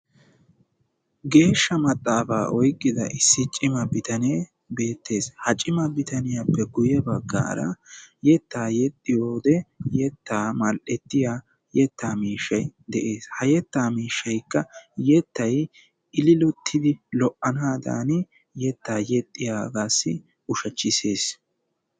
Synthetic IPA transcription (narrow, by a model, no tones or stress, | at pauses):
ɡe̞ːʃːɐmɐt̪ʼːaːfaːʔɔjkʼːɪd̪ɐ̰ʔɪsːɪt͡ʃʼːɪmɐbɪt̪ɐneː | be̞ːt̪ʰːe̞ːshɐt͡ʃʼɪmɐbɪt̪ɐnɪjapːɛɡʊjɛbɐɡːa̰ːɾɐ̰jɛt̪ːaːjɛt̪ʼːɪjoːd̪ɛjɛt̪ːaːmɐlʔɛt̪ːɪja | jɛt̪ːaːmiːʃːɐjd̪ɛʔe̞ːshɐjɛt̪ːaːmiːʃːɐjkːɐjɛt̪ːɐj | ɪlɪlʊt̪ʰːɪd̪ɪlɔʔɐnaːd̪a̰ːnɪ | jɛt̪ːaːjɛt̪ʼːɪjaːɡaːsːɪ | ʊʃɐt͡ʃːɪse̞ːs